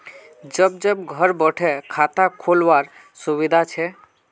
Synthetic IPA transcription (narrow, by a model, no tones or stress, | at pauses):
d͡ʒəbd͡ʒəbɡʱəɾbəʈʰekʰat̪akʰolʋaɾ | suʋid̪ʱat͡ʃʰɛ